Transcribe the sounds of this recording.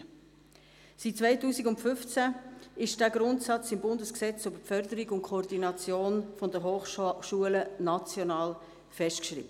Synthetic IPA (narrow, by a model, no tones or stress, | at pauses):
sitt͡svaɪtuːsiɡʊntfʏft͡sæɪʃd̥æːɡɾʊntsɑt͡sɪmbʊndəsksɛt͡søbəfœɾdəɾiɡʊntkʰɔːɾdinɑt͡sjoːnfɔndəɦoːχʃuələnɑt͡sjɔnɑːl | fɛʃtkʃɾḭbə